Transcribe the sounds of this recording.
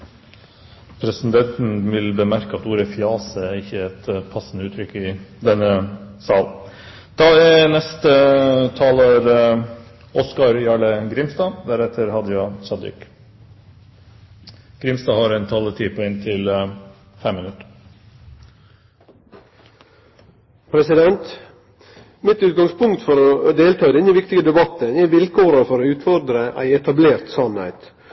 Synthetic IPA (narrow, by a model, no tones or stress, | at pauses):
pʰɾɛsn̩d̪ɛnt̪n̩ʋɪlbəmæɾkəɑt̪uːɾəfjɑːsəæɾɪçːəɛt̪pʰɑsːn̩əʉːt̪ʰɾʏkːɪd̪ɛnːəsɑːln̩ | d̪̥ɑːɛnɛst̪ət̪ʰɑːloːɾ | ʔɔskɑɾjɑɭəɡɾɪmst̪ɑːd̪æɾɛt̪ʰːəɾhɑd̪əjɑsɑd̪ɪ̰k | ɡ̥ɾɪmst̪ɑːhɑɾɛnt̪ʰɑlːət̪ʰiːpʰɔɛnt̪ʰɪl | fɛmːɪnʉt̪ə | pʰɾɛsɪd̪ɛnt̪ | mɪt̪ʉːt̪̚ɡɑŋspʊŋkt̪fɔɾɔd̪eːlt̪ʰɑːd̪ɛnːəʋɪkt̪ɪɡəd̪ɛbɑt̪ːənɛʋɪlkʰoːɾəfɔɾɔʉːt̪fɔɾd̪ɾəʔæ̰ɪɛt̪ɑbleːɾt̪sɑnhḛɪt̪